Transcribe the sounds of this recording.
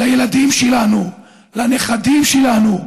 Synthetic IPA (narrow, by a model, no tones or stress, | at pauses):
lajelad̪imʃelanu | lane̞χad̪imʃelanu